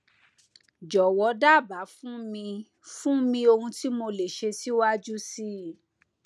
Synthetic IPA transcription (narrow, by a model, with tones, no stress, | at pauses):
d͡ʒɔ˨wɔ˨˧˦da˦˨ba˨˦fũ˦mĩ˧ | fũ˦mĩ˧o˧hũ˧ti˦mo˧le˨ʃe˧ti˦wa˦d͡ʒu˦si˦